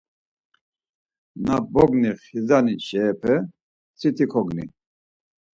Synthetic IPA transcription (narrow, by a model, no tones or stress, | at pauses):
nabɔɡniχizaniʃɛːpʰɛ | t͡sʰit̪ʰikʰɔɡnḭ